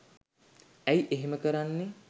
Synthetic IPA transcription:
æjʔeɦeməkəɾanːe

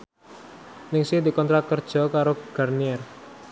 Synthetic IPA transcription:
nɪŋsid̪ikɔnt̪ɾakərd̥ʒ̥ɔ̤kaɾoɡ̥arniɛr

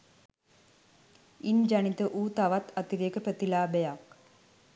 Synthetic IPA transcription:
ind͡ʒanit̪əʔuːt̪aʋat̪at̪iɾijekəpɾət̪ilaːbejak

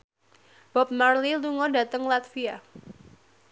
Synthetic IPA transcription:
b̥ɔp̚marliluŋɔdat̪əŋlat̪fia

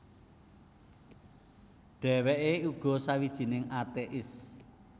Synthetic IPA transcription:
ɖ̥ɛ̤wɛʔeuɡ̥ɔ̤sawid̥ʒ̥i̤nɪŋat̪eʔɪs

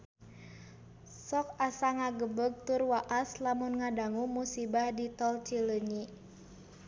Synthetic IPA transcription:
sɔk̚asaŋaɡəbəɡ̚t̪ʊrwaʔaslamunŋadaŋumusibahdit̪ɔlt͡ʃiləɲi

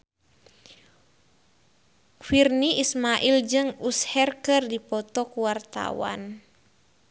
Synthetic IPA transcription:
firniʔismaʔild͡ʒɨŋushɛrkɨrdipɔt̪ɔkuwart̪a̰wa̰n

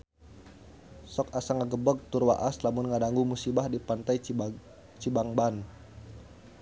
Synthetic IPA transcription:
sɔkasaŋaɡəbək̚t̪urwa̰ʔaslamʊnŋadaŋɡumusibahdipant̪ai | t͡ʃibaŋban

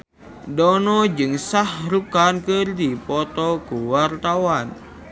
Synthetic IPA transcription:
dɔnɔd͡ʒɨŋsahɾukankərdipɔt̪ɔkuwart̪awan

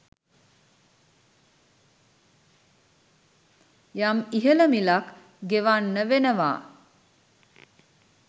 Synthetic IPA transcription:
jamiɦələmilak | ɡeʋanːəʋenəʋa̰ː

